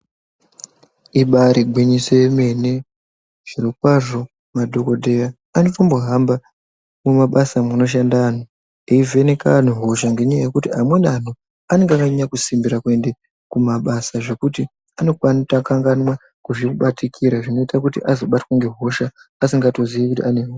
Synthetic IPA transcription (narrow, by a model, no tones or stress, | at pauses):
iɓaɾiɡʱwiɲiso̞je̞me̞ne̞ | ʐ̥irikwaʐo̞ | madʱo̞ko̞dʱe̞jaː | nofamboɦamba | mumaɓasamuno̞ʃ̬andano | eive̞ne̞kan̤uɦo̞ʃaŋɡe̞ɲajaje̞kutiamwe̞nan̤o | ane̞ŋɡakaɲakusimbiɾakue̞nde̞ | kumaɓasaʐe̞kuti | ano̞kwanitakaŋɡanwa | kuʐikuɓatʰikʰiɾaʐino̞itakutiʔazo̞ɓatwaŋɡe̞ɦo̞ʃaːsiŋɡato̞ziʋikutḭane̞ɦoa